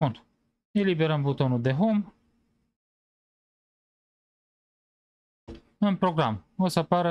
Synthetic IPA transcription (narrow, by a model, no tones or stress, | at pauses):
unt̪u | elibeɾəmbut̪o̞nud̪e̞ɦom | ɨnpɾo̞ɡɾamosəapaɾə